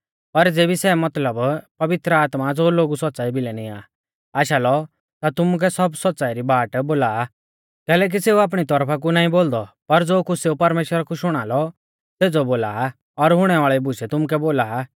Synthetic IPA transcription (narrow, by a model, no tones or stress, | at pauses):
pɐɾd͡zeːbisɛmɐt̪ləbpɐʋɪt̪ɾəaːt̪mad͡zoːloːɡusɔt̪̚ːt͡saːibɪlɛnĩa̰ː | aːʃalɔ | t̪at̪ʊmuk̬ɛsɔbsɔt̪ːt͡saːiɾibaːʈboːlaː | kɛːlɛːk̬iseːuaːp̬ɽ̃it̪ɔɾpʰak̬unaːĩboːld̪ɔpɐɾd͡zoːkuseːupɐɾmeːʃwəɾakuʃʊɽ̃aːlɔ | seːd͡zɔboːlaː | ɔɾɦʊɽ̃ɛʋaːɭɛibʊʃɛt̪ʊmuk̬ɛboːlaː